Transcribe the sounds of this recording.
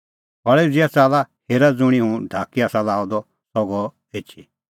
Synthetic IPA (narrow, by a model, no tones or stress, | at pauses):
ɦɔɭɛud͡ziat͡saːlaheːɾad͡zuɽ̃iɦũɖʱaːkiaːsãlaːɔd̪ɔ | sɔɡɔ | eːt͡ʃʰi